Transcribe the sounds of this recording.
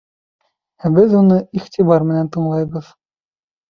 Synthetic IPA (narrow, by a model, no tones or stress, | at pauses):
æbɘðunɤiχt̪iβɑɾmɘ̆nænt̪ɤ̆ɴlˠɑjβɤð